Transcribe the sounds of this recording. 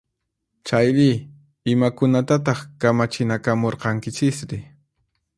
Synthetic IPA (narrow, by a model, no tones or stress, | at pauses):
t͡ʃajɾɪ | ɪmakʊnat̪at̪ɑχkamat͡ʃɪnakamoɾqɑŋkɪt͡ʃɪsɾɪ